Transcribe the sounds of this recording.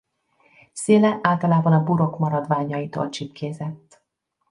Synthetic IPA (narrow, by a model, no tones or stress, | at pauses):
seːlɛʔaːlt̪ɒlaːbɒnɒbuɾokmɒɾɒd̪ʋaːɲɒjit̪o̰ːlt͡ʃipkʰeːzɛt̪ː